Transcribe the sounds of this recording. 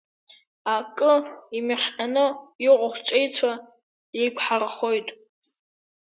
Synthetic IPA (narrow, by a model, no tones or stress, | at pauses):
akʼɨimiχʲanɨɪqʷʼʊχʷt͡ʃʷʼejt͡sʷʰa | je̞jkʷʰħaraχo̞jtʼ